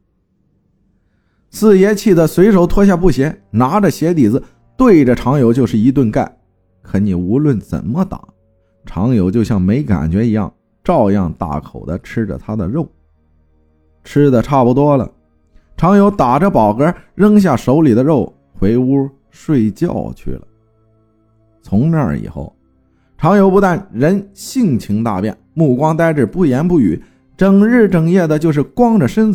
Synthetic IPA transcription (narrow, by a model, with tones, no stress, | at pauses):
sɹ̩˥˩jɛ˥t͡ɕʰi˥˩d̪ə˩swe˧˥ɪʂo˧˥ʊt̪ʰwɔ˥ɕja˥˧pu˥˩ɕjɛ˧˥na˧˥ʈ͡ʂə˧ɕjɛ˧˥t̪i˨˩d͡zɹ̩˧ | t̪we˥˩ɪʈ͡ʂə˨˩ʈ͡ʂʰɑ˧˥ŋjo˧˥ʊt͡ɕjo˥˧ʂɻ̩˥˩i˧˥t̪̬wə˥˧nka˥˩ɪ | kʰə˧˥ni˨˩u˧˥lwə˥˩nt͡sə̰˨˩nmə˦t̪a̰˨˩˦ | ʈ͡ʂʰɑ˧˥ŋjo˧˥ʊt͡ɕjo˥˧ʊɕjɑ˥˩ŋme˧˥ɪka̰˨˩nt͡ɕɥɛ˧˥i˧˥jɑ̰˥˩ŋ | ʈ͡ʂɑ˥˧ʊjɑ̰˥˧ŋt̪a̰˥˩kʰo̰˨˩ʊd̪ə˦ʈ͡ʂʰɻ̩˥ʈ͡ʂə̰˨˩t̪ʰa˥d̪ə˨ɻo˥˩ʊ | ʈ͡ʂʰɻ̩˥d̪ə˨ʈ͡ʂʰa˥˩pu˧˩t̪wɔ˥lə̰˨ | ʈ͡ʂʰɑ˧˥ŋjo˧˥ʊt̪a˨˩ʈ͡ʂə˦pɑ˨˩ʊkə˞˧˥ɻə˥ŋɕ̬ja˥˩ʂo˧˥ʊli˨˩d̪ə˦ɻo˥˩ʊ | xwe˧˥ɪu˥ | ʂwe˥˧ɪt͡ɕjɑ̰˥˧ʊt͡ɕʰy̰˥˩lə̰˩ | t͡sʰʊ˧˥ŋnə̰˞˥˩ḭ˨˩xo̰˥˩ʊ | ʈ͡ʂʰɑ˧˥ŋjo˧˥ʊpu˧˥t̪a˥˩nɻə˧˥nɕi˥˩˧ŋt͡ɕʰi˧˥ŋt̪a̰˥˧pjɛ̰˥˩nmu˥˩kwɑ˥ŋt̪a˥ɪʈ͡ʂ̩˥˩pu˥˩jɛ˧˥npu˥˩y̰˨˩˦ | ʈ͡ʂɤ˨˩ŋɻ̩˥˩ʈ͡ʂɤ˨˩ŋjɛ˥˩d̪ə˩t͡ɕjo˥˧ʊʂ̬ɻ̩˥˩kwɑ˥ŋʈ͡ʂə˨ʂə˥n